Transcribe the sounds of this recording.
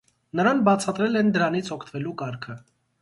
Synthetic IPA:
nəɾɑnbɑt͡sʰɑt̪ɾɛlɛnd̪əɾɑnit͡sʰɔkʰt̪vɛlukɑɾkʰə

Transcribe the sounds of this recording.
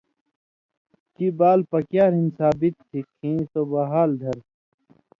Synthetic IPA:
kibaːlpɐkjaːɾɦinsaːbit̪̚ːʰikʰːĩːt̪obɐɦaːld̪ʱɐɾ

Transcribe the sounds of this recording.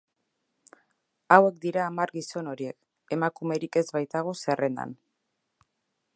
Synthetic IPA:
awe̞k̚d̪iɾaːmaɾɣiso̞no̞ɾie̞k | e̞makume̞ɾike̞zβajt̪aɣ̞o̞se̞re̞nd̪a̰n

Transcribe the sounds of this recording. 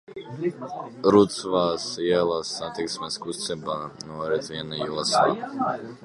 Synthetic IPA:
ɾut̪svaːsɛlˠasːat̪iksmɛskust̪sɛbanuɔɾɛt̪sviɛnajulˠasa̰ː

